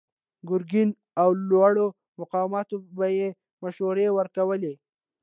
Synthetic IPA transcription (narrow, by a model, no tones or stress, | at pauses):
ɡʊɾɡɪn | awlwɑɽo | mʊqɑwamɑt̪obaje | maʃoɾewəɾkawəle